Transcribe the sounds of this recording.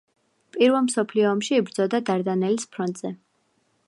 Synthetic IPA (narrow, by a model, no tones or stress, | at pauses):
pʼiɾvɛlˠmsɔpʰliɔːmʃiːbɾd̪zɔd̪ad̪aɾd̪anɛlispʰɾɔnt̪ʼz̥ɛ